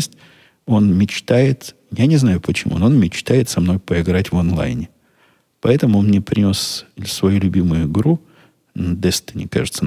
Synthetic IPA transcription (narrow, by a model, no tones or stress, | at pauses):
sʲtʲ | o̞nmʲɪt͡ɕt̪ajɪt̪ | janʲɪznajʊpət͡ɕɪmṵnoonmʲɪt͡ɕt̪ajɪt̪sɐmno̞jpəɪɡɾatʲvonlˠa̰jnʲɪ | pɐɛt̪əmʊonnʲɪpɾʲɪnʲo̞ssvɐjulʲʊbʲimʊjʊɪɡɾu | nd̪ɛst̪ənʲɪ̰ka̰ʐɨt̪sə